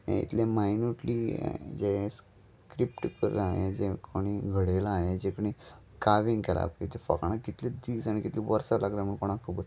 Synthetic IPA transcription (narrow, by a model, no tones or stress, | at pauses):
ḛ̃ḭt̪lẽmajnuʈlid͡ʑes | kɾipʈkəɾaɦẽd͡ʑekʰoɽ̃iɡʱəɽelaːɦed͡ʑekoɽ̃i | kaʋĩŋɡkɛla̰pit̪efə̰kaɽ̃aɡit̪led̪iːsaniɡit̪liʋəɾsalaɡlam̤əɳkoɽ̃akʰubəɾ